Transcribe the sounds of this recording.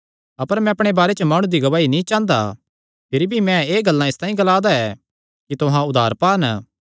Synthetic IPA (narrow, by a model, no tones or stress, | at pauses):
ɐpəɾmɛ̃ɐpɽ̃ebaːɾet͡ʃəmaːɽ̃ũd̪iɡɐʋaːinĩt͡ʃãːnd̪a̰ | pʰɪɾibʱimɛ̃eːɡɐlːãɪst̪ãːĩɡɐlaːd̪aɛː | kit̪ʊɦãʊd̪ʱaːɾpaːnə